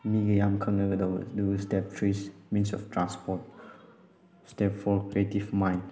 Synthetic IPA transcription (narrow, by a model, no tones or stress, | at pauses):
miɡəjãmkʰəŋnəɡədɔdustɛp̚tʰɹismĩnsɔ̰ftʰɹãnspɔt̚ | stɛpfɔkɾietifmãjn